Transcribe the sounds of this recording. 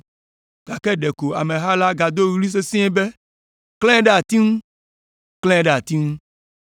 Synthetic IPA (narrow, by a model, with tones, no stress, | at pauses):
ɡ̥a˨kɛ˦ɖe˨ko˨a˨mẽ˨ɦa˦la˦ɡa˨d̪o˦ɣli˦s̬e˦sĩ˦e˦be˦ | klɛ̃˦ɖɛ˦a˨t̪i˦ŋũ˦ | klɛ̃˦ɖɛ˦˨a˨t̪i˦ŋũ˦